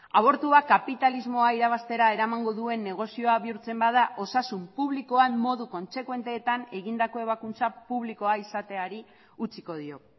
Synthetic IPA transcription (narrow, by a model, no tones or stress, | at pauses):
aβ̞o̞ɾt̪uakapit̪alizmo̞aiɾaβ̞ast̪e̞ɾae̞ɾamaŋɡo̞ðue̞nːe̞ɣ̞o̞sio̞aβiuɾt͡se̞mbaðaʔo̞sasumpuβliko̞amːo̞ðuko̞nse̞kwe̞nt̪e̞ːt̪ane̞ɣind̪ako̞e̞β̞akunt͡sapuβliko̞aisat̪e̞aɾi | ut͡siko̞ð̞io̞